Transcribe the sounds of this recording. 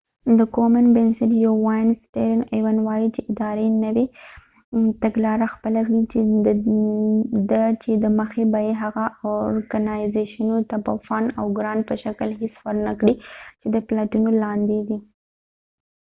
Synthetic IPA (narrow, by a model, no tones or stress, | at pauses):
d̪əkomanbɪnsɪʈjawːajnsteɾɪnewanwɑjit͡ʃeʔɪd̪ɑɾenəwe | t̪aɡlɑɾaxpəlakɽit͡ʃe | d̪ət͡ʃed̪əməxebajeɦaɣaoɾɡanajzeʃanot̪apa̰fana̰wɡɾɑnpəʃakəlɦesfaɾnakɽit͡ʃed̪əplaʈunolɑnd̪ed̪i